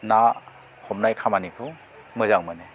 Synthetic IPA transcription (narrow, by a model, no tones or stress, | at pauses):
na | hɔmnajkʰamanikʰɯw | mɯzaŋmɯne